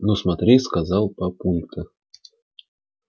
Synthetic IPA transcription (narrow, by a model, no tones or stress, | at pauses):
nusmɐt̪ɾʲejʲskazɑlˠpɐpulʲt̪ʰə